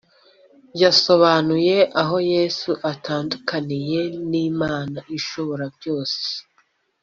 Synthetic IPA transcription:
jaso̞βanuje̞ʔaɦo̞je̞ːsuʔatʰaːndukanije̞niːmaːnaʔiʃoβoɾabjo̞ːse̥

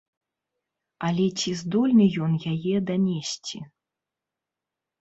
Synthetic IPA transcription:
alʲɛt͡sʲizd̪ɔlʲnɐjɔnjajɛd̪anʲesʲt͡sʲi

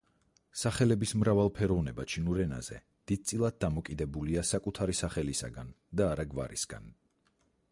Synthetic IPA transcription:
saχɛlɛbismɾavalˠpʰɛɾɔvnɛbat͡ʃʰinuɾɛna̰zɛ̰ | d̪̥id̪̚t̪sʼilˠad̪̚dːamɔkʼid̪ɛbuliasakʼut̪ʰaɾisaχɛlisa̰ɡan | d̪aːɾaɡva̰ɾisɡa̰n

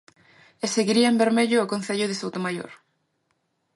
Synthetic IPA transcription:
eseɣiɾiaembeɾmeʎʊːkon̟θeʎʊðɪsowt̪omajo̰ɾ

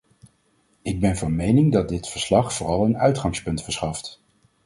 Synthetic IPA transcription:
ɪɡ̚bɛnvɑnmejnɪŋdɑt̚dɪtfəɹslɑχfʊːrɑlˠənœɥtχɑŋspɵntfəɹsχɑft

